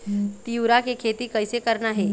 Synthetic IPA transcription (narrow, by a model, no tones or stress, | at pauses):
t̪iuɾakekʰeːt̪ikɐɪsekɐɾnaɦɛː